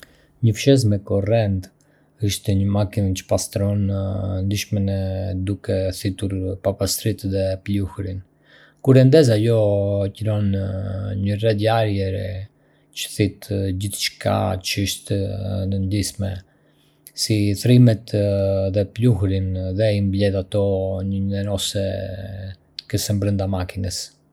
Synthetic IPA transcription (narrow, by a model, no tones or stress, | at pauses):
ɲəfʃɛz̬mɛkɔrɛnt̪ | əʃt̪ɲəmakint͡ʃə̥past̪ɾɔnnd̪iʃmɛnɛd̪ukɛθit̪uɾpapast̪ɾit̪ðɛpluhɾin | kuɾɛnd̪ɛzajɔcɾɔn | ɲərɛd̪jaɾjɛɾɛ | t͡ʃə̥θit̪d͡ʑiθt͡ʃə̥kʰa̰t͡ʃəəʃt̪nənd̪ismɛ | siθɾimɛt̪ðɛpluhɾinðɛimblɛðat̪ɔɲənɛɾɔsɛ | kəsɛmbɾənd̪amakinəs